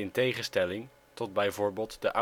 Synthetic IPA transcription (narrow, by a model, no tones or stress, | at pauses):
ɪntejχəstɛlɪŋ | tɔd̚bɛjvʊːɹbeːlˠtdəʔa